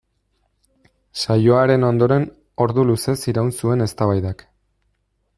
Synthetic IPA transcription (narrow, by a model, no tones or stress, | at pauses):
sajo̞aɾe̞no̞nd̪o̞ɾe̞n | o̞ɾðuluse̞siɾaunsue̞ne̞st̪aβajðak